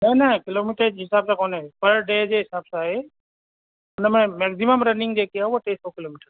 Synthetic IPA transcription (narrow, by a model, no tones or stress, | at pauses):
nɐnɐkɪloːmiʈəɾd͡ʒɦɪsaːbsakonepəɾɖeːd͡ʒeɦɪsaːbsaɦe | ʊnmẽmeksiməmɾɐnɪ̃ŋɡd͡ʒekiaɦuoʈeːsokiloːmiʈəɾ